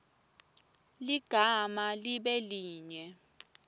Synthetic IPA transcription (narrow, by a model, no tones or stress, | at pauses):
liɡ̥ʱamaliɓɛliːɲɛ